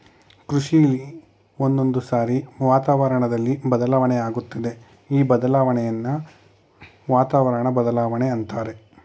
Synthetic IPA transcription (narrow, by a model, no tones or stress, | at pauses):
kɾuʂijɐli | o̞nd̪o̞nd̪usaːɾiʋaːt̪aːʋɐɾɐɳɐd̪ɐlːibɐd̪ɐlaːʋɐɳɛjaːɡut̪ːɐd̪e̞ | iːbɐd̪ɐlaːʋɐɳɛjɐnːɐ | ʋaːt̪aːʋɐɾɐɳɐbɐd̪ɐlaːʋɐɳeɐnt̪aːɾe̞